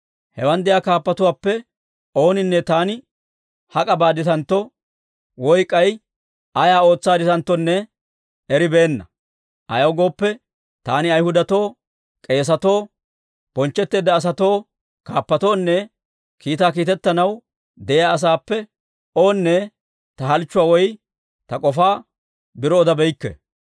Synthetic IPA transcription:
hɛwɐnd̪ɪjaːkaːpːɐt̪ʊwaːpːɛ | o̞ːnɪnːɛt̪aːnɪ | hɐkʼɐbaːd̪ɪt̪ɐnt̪ːɔ | wɔjkʼːɐj | ʔɐjaːo̞ːt͡sːaːd̪ɪt̪ɐnt̪ːɔnːɛ | ɛɾɪbe̞ːnːɐ | ʔɐ̰jɐwɡo̞ːpːɛ | t̪aːnɪɐjhʊd̪ɐt̪o̞ː | kʼe̞ːs̬ɐt̪o̞ː | b̥ɔnt͡ʃːɛt̪ːe̞ːd̪ːɐːs̬ɐt̪o̞ː | kaːpːɐt̪o̞ːnːɛ | kiːt̪aːk̬iːt̪ɛt̪ːɐnɐw | d̪ɛjaːɐs̬aːpːɛ | oːnːɛ | t̪ɐɦɐlt͡ʃːʊwaːwɔj | t̪ɐkʼɔfaː | bɪɾɔːd̪ɐbɛjkːɛ̰

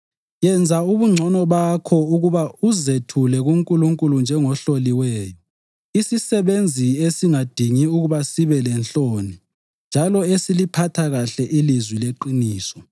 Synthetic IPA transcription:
jɛnd͡zʱauβuŋ͡ǀʱɔnɔβakʰɔuɣuβauzetʰulɛɣuŋkʼuluŋkʼulund͡ʒʱɛŋɔɬoliwɛːjɔ | isisɛβend͡zʱiesiŋad̥ʱiŋiuɣuβasiβɛlɛnt͡ɬoni | nd͡ʒʱalɔesilipʰatʰaɣaɬɛʔilizwileǃiniːsɔ̥

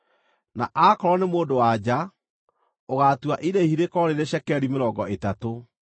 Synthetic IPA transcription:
naʔakɔɾɔnemoːdowad͡ʑa | oɣaːtuwaʔiɾehiɾekɔɾeɾeʃɛkɛɾimeɾɔŋɡɔʔetato

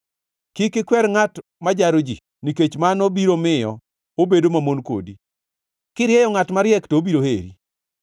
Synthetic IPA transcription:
kɪkɪkwɛɾŋatmad͡ʒaɾod͡ʒḭ | niket͡ʃmanobiɾomɪjɔ | obedomamonko̰di | kɪɾɪjɛjɔŋatmaɾjɛktobiɾohḛɾḭ

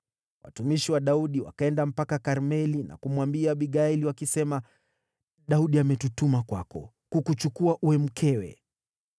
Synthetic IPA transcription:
wʔa̰tumiʃiwaɗauɗiwa̰kaɛndam̩pakakaɾmɛlina̰kumwambiaɓiɡailiwakisɛma | ɗauɗiamɛtutumakwakɔ̰ | kukut͡ʃukuaʔuwɛm̩kʰɛwɛ̰

